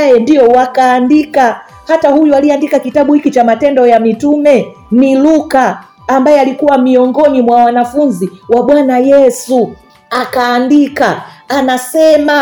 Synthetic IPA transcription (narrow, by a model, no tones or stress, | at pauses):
jɛndiɔwakaːndika | hatahujualiandikakitaɓuhikit͡ʃamatɛndɔjamitumɛ | nilukaː | mbajɛalikuwamiɔŋɡɔnimwawanafunziwaɓwanajɛsu | akaːndikaanasɛma